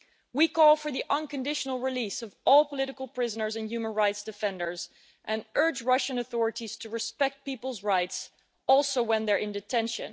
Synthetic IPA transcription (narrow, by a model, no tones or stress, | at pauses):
wikʰɔlˠfə˞ðiʔʌ̃nkɨ̃ndɪʃənl̩ˠɹɪlisʌvɔlˠpʰəlɪɾɨkəl̩ˠpʰɹ̥ɪzənə˞zɨ̃njʉmə̃nɹaɪtsd̥ɨfɛ̃ndə˞z | ʔɨ̃nʔɜ˞d͡ʒɹʌʃɨ̃nəθɔɹɨɾiz̥tʰɨɹɨspɛk̚t̚pipl̩ˠzɹaɪts | ɔlˠsoʊwɨ̃nðə˞ʔɪ̃ndɨtʰɛ̃nʃɨ̃n